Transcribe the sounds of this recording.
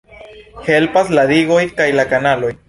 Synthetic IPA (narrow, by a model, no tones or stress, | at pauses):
helpaslad̪iɡojkajlakanalo̞j